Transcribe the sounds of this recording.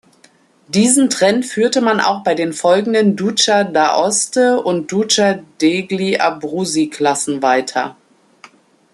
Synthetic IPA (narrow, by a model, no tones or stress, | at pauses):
d̥iːzn̩tʁ̥ɛnfyːɐtəmanʔa̰ʊxb̥aɪdeːnfɔlɡŋ̩dəndut͡ʃadaʔɔstəʊnt̚d̥ut͡ʃadeɡliʔa̰bʁuːzikʰl̥asn̩vaɪtʰɐ̰